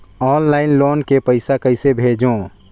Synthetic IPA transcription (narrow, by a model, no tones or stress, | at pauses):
ɔːnlaːɪnloːnkepəɪsakəɪsebʱeːd͡ʒõː